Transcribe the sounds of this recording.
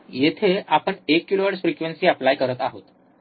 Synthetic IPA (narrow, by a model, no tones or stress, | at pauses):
jet̪ʰeapəɳekːiloʋəʈsfɾikʋensiːaplajkəɾət̪aɦot̪